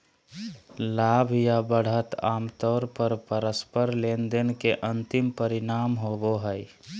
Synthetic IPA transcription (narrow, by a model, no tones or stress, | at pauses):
laːbʱjabəɽ̤ət̪aːmt̪ɔːɾpəɾpəɾəspəɾlend̪ənkeʔə̃nt̪ɪmpəɾɪnaːmɦoboɦəj